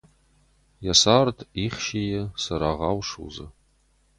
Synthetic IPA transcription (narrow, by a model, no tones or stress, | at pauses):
jasaːrtʰiχʃejɪsɐɾaːʁɑwʂṵzɨ̰